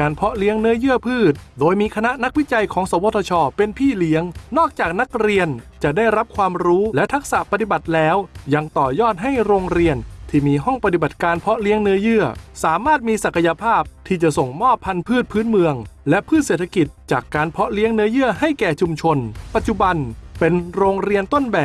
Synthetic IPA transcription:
kaː˧npʰɔ˦˥ʔli˦˥əŋnɯ˦˥ɐjɯ˥˩əpʰɯː˥˩t̪̚doː˧jmiː˧kʰa˧na˦˥ʔna˦˥k̚wi˦˥t͡ɕa˧jkʰɔː˩˦ŋsɔː˩˦woː˧˩t̪ʰɔ˧t͡ɕʰɔː˧pe˧npʰiː˥˩li˦˥əŋnɔː˥˩k̚t͡ɕaː˨˩k̚na˦˥k̚ɾi˧ənt͡ɕa˨˩ʔdaː˥˩jɾa˦˥p̚kʰwaː˧mɾuː˦˥lɛ˦˥t̪ʰa˦˥k̚sa˨˩ʔpa˧t̪i˨˩ba˨˩t̪̚lɛː˦˥wja˧ŋt̪ɔː˨˩jɔː˥˩t̪̚ɦa˥˩jɾoː˧ŋɾi˧ənt̪ʰiː˥˩miː˧ɦɔ˥˩ŋpa˧t̪i˨˩ba˨˩t̪̚kaː˧npʰɔ˦˥ʔli˦˥əŋnɯ˦˥ɐjɯ˥˩ɐsaː˩˦maː˥˩t̪̚miː˧sa˨˩kʰa˧ja˧pʰaː˥˩p̚t̪ʰiː˥˩t͡ɕa˨˩ʔso˨˩ŋmɔː˥˩pʰːa˧npʰɯː˥˩t̪̚pʰɯː˦˥nmɯ˧əŋlɛ˦˥ʔpʰɯː˥˩t̪̚seː˨˩t̪ʰa˧ki˨˩t̪̚t͡ɕaː˨˩kːaː˧npʰɔ˦˥ʔli˦˥əŋnɯ˦˥əjɯ˥˩əha˥˩jkɛː˨˩t͡ɕʰu˧mt͡ɕʰo˧npa˨˩t̪̚t͡ɕu˨˩ba˧npe˧nɾoː˧ŋɾi˧ənt̪o˥˩nbɛː˨˩p̚

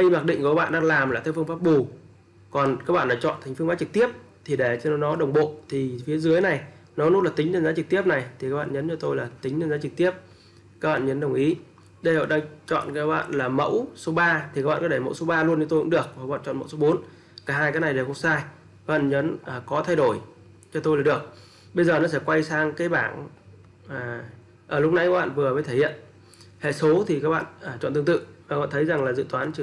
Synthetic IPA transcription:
ɗi˧maː˨˩k̚ɗḭ̈˧˨ŋkka˦˥ɓa̰ː˧˨nɗaː˧ŋlaː˨˩mlaː˨˩˧wfɨ˧ə˧ŋfaː˦˥p̚ɓu˨˩ | kɔ˨˩nkaː˦˥k̚ɓa̰ː˧˨ɗaː˧˥t͡ɕɔ̰˧˨nt̪ʰŋ̟fɨ˧ŋfaː˦˥t͡ɕɨ˨˩k̚t̪i˦˥əp̚ | t̪ʰi˨˩ɗe˧˩t͡ɕɔ˧n˨˦nɔ˨˦ɗə˨˩wŋ͡mɓo̰˧˨t̪ʰi˨˩fi˨˦əzɨ˨˦əjna˨˩jnɔ˨˦nʊ˦˥laː˨˩t̪ï˨˦ŋzə˧nzaː˨˦t͡ɕɨ˨˩k̚t̪i˦˥əp̚na˨˩jt̪ʰi˨˩kaː˦˥ɓa̰ː˧˨ɲəː˨˦nt͡ɕɔ˧t̪o˧jlaː˨˩t̪ï˨˦ŋ̟t͡ɕə˧nzaː˨˦t͡ɕɨ˨˩k̚t̪i˦˥əp̚ | kaː˦˥k̚ɓa̰ː˧˨ɲə˨˦nɗə˨˩wŋ͡mʔi˨˦ | ɗə˧jhɔ̰˧˨˩ɗaː˧ŋt͡ɕɔ̰˧˨nkaː˨˦˥k̚ɓa̰ː˧˨nlaː˨˩mə̰˧˥wso˨˦ɓaː˧t̪ʰi˨kaː˦˥ɓ̰aː˧˨kːtʰe˧˩mə̰˧˥wso˨˦ɓaː˧lu˧ənt͡ɕɔ˧t̪o˧jkʊ̰˧˥ɗɨ˨˩ək̚a˨˩˨a̰ː˧˨nt͡ɕɔ̰˧˨nmə̰˧˥wso˨˦ɓo˨˦n | kaː˧˩ɦaː˧jkaː˨˦kna˨˩jɗe˨˩ku˧˥saː˧j | aː˦kɓa̰ː˧˨nɲəː˨˦nː˨˩kɔ˨˦t̪ʰa˧jɗo˧˩j | t͡ɕɔ˧t̪o˧jlaː˨˩ɗɨ˨˩ək̚ | ɓə˧jzəː˨˩nɔ̰˨˦sɛ̰˧˥kwa˧jsaː˧ŋkaː˨˦jɓaː˧˩nː˨˩ | ʔəː˧˩lʊ˦˥k͡p̚na˧˥jkaː˦˥k̚ɓa̰ː˧˨vɨ˨˩əvə˨˦t̪ʰe˧˩hḭ˧˨ən | hḛ˧˩˨so˨˦t̪ʰi˨˩kaː˦˥k̚ɓa̰ː˧˨nː˨˩t͡ɕɔ̰˧˨nt̪ɨ˧ə˧ŋt̪ɨ̰˧˨aː˨˩k̚ɓa̰˧˨nt̪ʰə˨˦jza˨˩ŋlaː˨˩zɨ̰˧˨t̪waː˨˦nt͡ɕ

